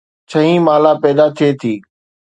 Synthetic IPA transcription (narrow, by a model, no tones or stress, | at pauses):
t͡ɕʰɐɦĩmaːlapɛːd̪at̪ʰiet̪ʰiː